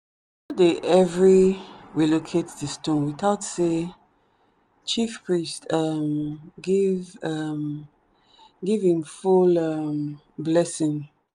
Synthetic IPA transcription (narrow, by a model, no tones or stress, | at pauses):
adeʔɛvɹiɹilokʰetðistɔ̃nwiθaʊtse | t͡ʃifpʰɹistamɡivam | ɡivĩmfulam | blɛsĩŋ